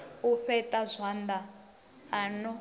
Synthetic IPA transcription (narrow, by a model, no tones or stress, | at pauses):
uɸɛtʼazʷwand̪aː | nɔ